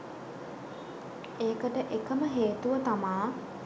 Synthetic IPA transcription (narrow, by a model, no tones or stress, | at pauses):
eːkəʈəʔekəməɦeːt̪uʋət̪amaː